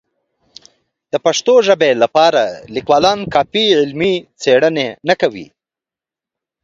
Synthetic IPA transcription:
d̪̥əpaʂt̪oʒəbelapɑɾalikwɑlɑnkɑpiʕɪlmit͡seɽənenakawḭ

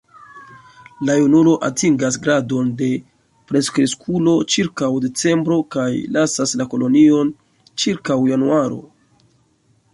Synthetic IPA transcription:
lajunulo̞ʔatiŋɡasɡɾado̞nde̞ | pɾe̞skɾeskʰulo̞t͡ʃiɾkawde̞t͡se̞mbɾo̞kajlasaslako̞lo̞nio̞n | t͡ʃiɾkawjanuaɾo̞̰

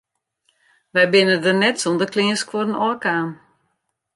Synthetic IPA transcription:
ʋɛjbɪnədənɛtsondəklɪəskʰwɔrənɔkaːn

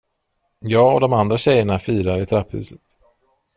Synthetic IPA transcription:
jɑːɡɔd̪ɔmand̪ɾaɕɛjːəɳafiːɾaɾɪt̪ʰɾaphʉ̟̰ːsət̪

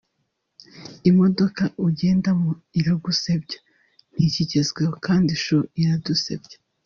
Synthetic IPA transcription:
imodo̞kaʔuɟe̞ːndamoiɾaɡusebɟḁ | n̥hiciɟezɡweokaːndiʃoiɾadusḛb̚ɟḁ

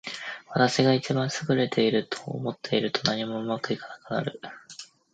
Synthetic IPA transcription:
βat̪aɕiɡait͡ɕibãɰ̃sɨɡɯ̟ɾe̞t̪ʰe̞iɾɯ̟t̪ʰo̞̰ːmo̞t̪ʰːe̞iɾɯ̟t̪ʰo̞naɲ̟imo̞ɯ̟makɯ̟ikanḁkɯ̟na̰ɾɯ̟̰

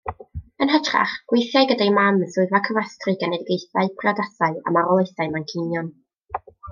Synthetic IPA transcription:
ənɦatʰra̰χɡ̥wejθjajɡədajmamzʊɨvakʰəvastrɨɡanɛdɡejθaɨpʰradasaɨa̰maɾɔlˠejθaɨmankʰɪnjɔn

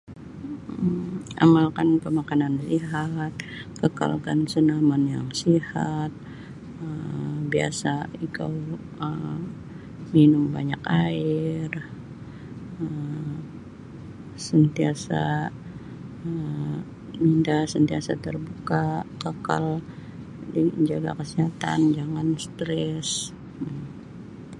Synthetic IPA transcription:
a̰malkanpəmakanansiɦat̪̚kəka̰lkansənamanja̰ŋsihat̪̚ | əmbia̰saika̰w | ə | minʊmbaɲakaɪr | ə | sənt̪iasa | ə | mindasənt̪iasat̪ərbukakaka̰l | diɲd͡ʒaɡa̰kəsiɦat̪a̰nd͡ʒaŋanst̪ɾɛs

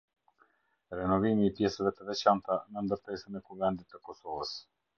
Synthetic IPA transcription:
ɾɛnɔvimiːpjɛsəvɛt̪əvɛt͡ɕant̪anənd̪əɾt̪ɛsənɛkuvɛnd̪it̪ːəkɔsɔvəs

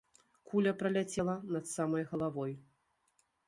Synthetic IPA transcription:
kʰulʲɐpɾɐlʲat͡sʲɛlˠɐnɐt̪samɐjɣɐlˠavɔj

